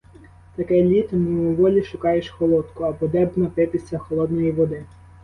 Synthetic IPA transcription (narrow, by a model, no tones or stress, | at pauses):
t̪ɐkɛjlʲit̪nuʊʋɔlʲiʃʊkɑjeʃxɔlˠɔt̪kʊɐpɔd̪ɛbnɐt̪ɪp̪ʲisʲlʲɐxɔlˠɔd̪nɔjiʋɔd̪ɪ